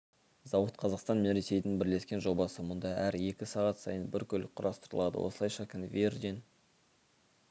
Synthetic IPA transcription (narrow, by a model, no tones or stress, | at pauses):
zɑwət̪qʰɑzɑqst̪ɑnme̞nɾe̞se̞jd̪ɪnbɪɾle̞skʲe̞nʒo̞bɑsəmʊnd̪ɑʔæɾje̞kʲɪsɑʁɑt̪sɑjənbɪɾkʲʰɵl̚qʰʊɾɑst̪əɾəlˠɑd̪ə̰wʔo̞̰səlˠɑjʃɑkʲʰɪnvʲerd̪ʲen